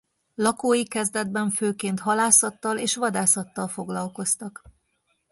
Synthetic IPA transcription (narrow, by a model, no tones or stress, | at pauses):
lɒkoːjikɛzd̪ɛd̪̚bɛɱføːkeːnt̪ɦɒlaːsɒt̪ːɒleːʃʋɒd̪aːsɒt̪ːɒlfo̞ɡlɒlko̞st̪ɒk